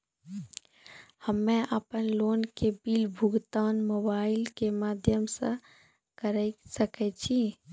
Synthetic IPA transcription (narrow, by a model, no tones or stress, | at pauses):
həmːɛ̃ʔəpənloːnkebiːlbʱʊɡt̪aːnmoːbaːɪlkemaːd̪ʱjəmsə̰̃ | kəɾəisəkɛt͡ʃʰi